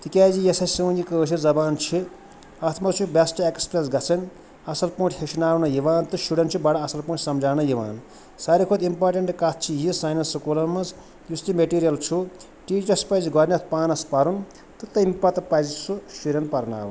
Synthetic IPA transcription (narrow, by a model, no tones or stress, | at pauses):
t̪ikʲaːzijesɐsiwnikəːsʰid͡zɐbaːnt͡ʃʰi | ɐt̪ʰmɐt͡ʃʰubasʈɐekspɾesɡɐt͡sʰɐn | ɐsɐlpũːʈʰʲheʃʰinaːwnɐjiʋaːnt̪ɨʃuɽɐnt͡ʃʰubaɽɐɐsɐlpũːʈʰsɐmd͡ʒaːnɐjiʋa̰ːn | saɾikʰod̪impaɾʈeɳʈkat̪̚ʰt͡ʃʰijisajnɐnsɐkolɐmɐs | just̪imeʈiɾijɐlt͡ʃʰu | ʈiːt͡ʃɐspajziɡɔɾniɐt̪ʰpaːnɐspɐɾun | t̪ɨt̪ɐimpɐt̪ɐpazisuʃiɾɐnpɐɾna̰ːwun